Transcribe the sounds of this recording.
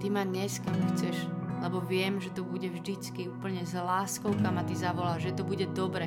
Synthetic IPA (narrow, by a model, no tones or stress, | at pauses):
t̪imaɲɛskamxt͡sɛʃlɛbɔʋɪɛmʒɛt̪ɔbuɟɛvʒd̪it͡skiuːpl̩ɲɛzlaːskɔʊkamat̪izaʋɔlaːʒʒɛt̪ɔbuɟɛd̪ɔbɾɛ